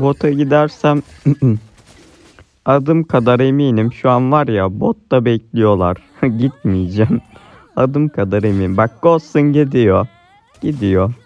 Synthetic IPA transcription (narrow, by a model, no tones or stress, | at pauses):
bo̞t̪ʰaɟid̪æɾsæm | ad̪ɯmkʰad̪aɾemiːnimʃuanvaɾjabot̪ːabɛclʲijo̞lˠa̰ɾ̥ | ɟit̪̚mijd͡ʒæm | ad̪ɯmkʰad̪aɾemiːnimbak̚ɡ̥osunɟed̪ijo | ɟ̥id̪ijo